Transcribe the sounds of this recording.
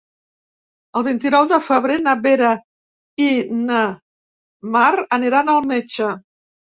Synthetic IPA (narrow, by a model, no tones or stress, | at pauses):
əlˠβint̪inɔwðəfəβɾenəβeɾa | inə | maɾəniɾanəlˠmet͡ʃə